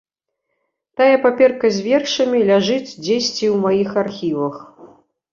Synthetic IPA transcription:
t̪ajɛpapʲɛrkɐzʲvʲɛrʂɐmʲilʲaʐɨt͡sʲd͡zʲesʲt͡sʲiwmajixarxʲivɐx

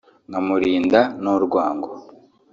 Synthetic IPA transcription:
ŋɡamuɾiːndanuɾɡwaːŋɡo

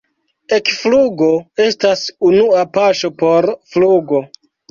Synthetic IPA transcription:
e̞kfluɡo̞e̞stasunuapaʃo̞po̞ɾfluɡo̞

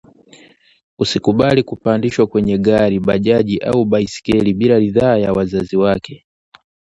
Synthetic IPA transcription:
usikuɓalikupandiʃwakwɛɲɛɡaɾiɓaʄaʄiʔa̰uɓaisi̥kɛliɓilaliðaːjawazaziwakʰɛ

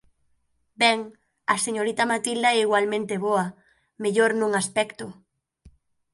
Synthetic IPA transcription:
bɛŋ | aseɲoɾit̪amat̪ild̪aɛiɣwalmẽnt̪eβoa | meʎoɾnũŋaspɛkt̪ʊ

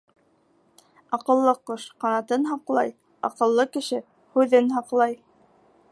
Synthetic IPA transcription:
ɑqɤ̆lˠːɤqoʃqɑnɑt̪ɤnɦɑqlˠɑj | ɑ̰qɤ̆lˠːɤkɘ̆ʃɘ | hʉðɘnɦɑqlˠɑj

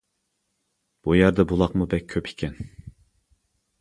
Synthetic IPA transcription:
b̥ujɑɾd̪ɛbulˠɑqmubɛk̚ʲʰːøpʰi̥kʲʰɛn

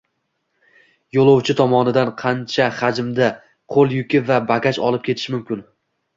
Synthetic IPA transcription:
jolˠowt͡ʃʰɪt̪ʰɒmɒnɪd̪anqʰɑnt͡ʃʰahad͡ʒɪmd̪a | qʰolˠjʊkʲɪvabakʲat͡ʃɒ̰lˠɪp̚kʰʲeɪ̥ʃmʊmkʲɪn

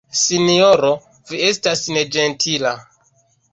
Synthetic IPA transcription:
sinioɾo̞ | vie̞stasne̞d͡ʒe̞ntʰila

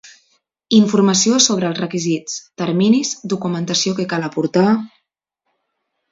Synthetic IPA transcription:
iɱfuɾməsiosoβ̞ɾəːlˠzrəkizit͡st̪əɾminizd̪ukumənt̪əsiokəkaləpuɾt̪a

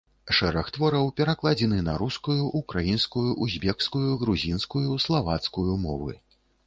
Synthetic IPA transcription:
ʂɛɾɐxt̪vɔɾɐwpʲɛɾaklˠad͡zʲɛnɨnɐɾuskujuʔukɾajinskujuʔuzʲbʲɛkskujuɣɾuzʲinskujuslˠavat̪skujumɔvɨ̰

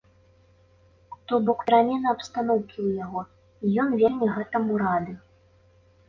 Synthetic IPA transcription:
t̪ɔbɔkɾamʲɛnɐɐpst̪anɔwkʲiwjaɣɔ | ijɔnvʲernʲiɣɛt̪ɐmuɾad̪ɨ

